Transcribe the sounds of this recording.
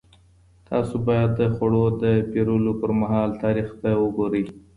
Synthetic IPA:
t̪ʰɑsobɑjad̪ːəxaɽod̪əpeɾulopəɾmaɦɑlt̪ɑɾixbajwəɡoɾəj

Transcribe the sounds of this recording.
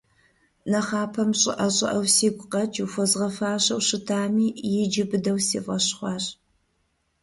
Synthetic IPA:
nɐχɑːpʰɐmɕʼɪʔɐɕʼɪ̰ʔɐwsiːɡʷqɐt͡ʃʰuwfɐzʁɐfaːɕɐwɕɪtʰaːmiːjɪd͡ʒɪbɨdɐwsḭːvɐɕχʷɑːɕʼ

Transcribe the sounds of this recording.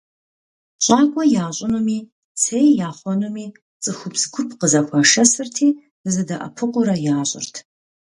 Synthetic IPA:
ɕʼaːkʷʼɔjaːɕʼʊnumiː | sʰejjaːχʷɔnumiː | t͡sʼɨxʷʊpsɡʷʊpʰqəzɐxʷaʂɐsɨrtʰiː | ɨzɨdɐʔɐ̰pʰɨqʷʊɾɐjaːɕʼɪ̰rtʰ

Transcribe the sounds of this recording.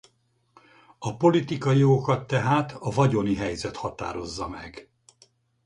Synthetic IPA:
ɒpo̞lit̪ikɒjijoɡokɒt̪ːɛɦaːt̪ʰɒvɒɟo̞niɦɛjzɛt̪hɒt̪a̰ːɾo̞zːɒmɛɡ

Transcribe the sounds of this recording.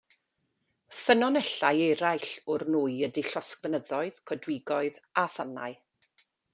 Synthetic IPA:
fənɔnɛɬajɛjɾajɬʊrnuːɨədiɬɔskvənəðɔɨð̥kʰɔdwɪɡɔɨðaθana̰ɨ

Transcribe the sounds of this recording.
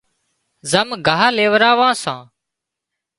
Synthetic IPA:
zəmɡʱaːɦleːʋɾaːʋãːsãː

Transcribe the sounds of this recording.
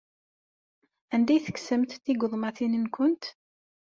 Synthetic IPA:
ænd̪æjθə̥ksəmt̪θiɡʊðˤmɑθinənkʷʊnt̪

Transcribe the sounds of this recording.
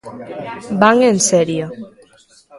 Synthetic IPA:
baŋenseɾio

